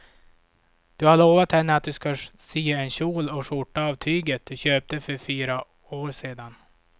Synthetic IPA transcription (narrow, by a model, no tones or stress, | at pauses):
d̪̥ɵhaɭoːvat̪hɛnːəat̪̚d̪ɵskasyːaɛnɕuːlɔʂʊʈːaːvt̪ʰyːɡət̪̚d̪ɵɕøːp̚t̪əfœɾfyːɾa | oːɾseːd̪an